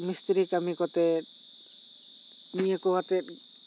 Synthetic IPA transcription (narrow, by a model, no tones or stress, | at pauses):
mist̪ɾikamikɔt̪ɛ | nijekɔwat̪ɛ